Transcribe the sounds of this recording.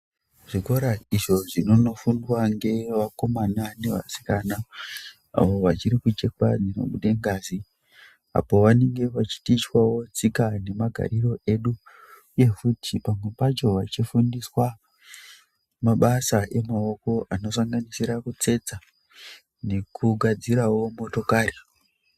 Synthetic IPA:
ʐ̥ikoɾaiʐo̞ʐino̞no̞fundwaŋɡe̞ʋako̞manane̞ʋa̰si̥kana | a̰ʋo̞ʋat͡ʃiɾikut͡ʃe̞kad͡zino̞̰ɓuɗeŋɡaːzi | a̰po̞ʋane̞ŋɡe̞ʋat͡ʃi̥tit͡ʃwawo̞t͡sikane̞maɡʱa̰ɾiro̞e̞ɗu | uje̞futʰipamwe̞pat͡ʃo̞ʋat͡ʃifundiswa | maɓasaʔe̞mao̞ko̞ʔano̞saŋɡanisiɾakut͡se̞t͡sa | ne̞kʰuɡʱad͡ziɾawo̞mo̞to̞kaːri

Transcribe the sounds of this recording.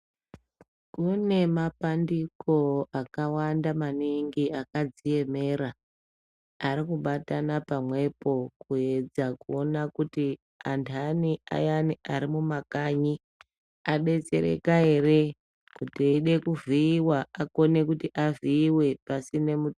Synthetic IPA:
kune̞mapandiko̞akawandamaniŋɡiakad͡zije̞me̞ɾa | ɾikuɓatanapamwe̞po̞kue̞d͡zakuo̞nakuti | antʰania̰janiaɾimumakaɲi | aɓe̞t͡se̞̰ɾe̞̰kae̞re̞ | kutiɗe̞kuviːwaako̞ne̞kutiʔaviːwe̞pasine̞mu

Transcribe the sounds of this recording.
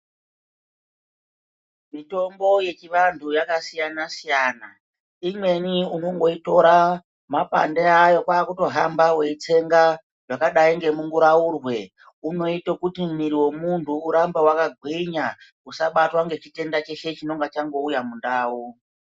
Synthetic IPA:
mito̞mbo̞je̞t͡ʃiʋantʰujakasijanasijana | imwe̞niunoŋɡo̞ito̞ɾa | mapa̰ndeajo̞kwaːkuto̞ɦambawe̞it͡se̞ŋɡa | ʐakaɗaiŋɡe̞muŋɡuɾaurwe̞ | uno̞itokutimumiɾiwo̞muntʰuːɾambawakaɡʱwiɲa | usaɓatwaŋɡe̞t͡ʃite̞ndat͡ʃe̞ʃe̞t͡ʃino̞ŋɡat͡ʃaŋɡo̞ujamundaːwu

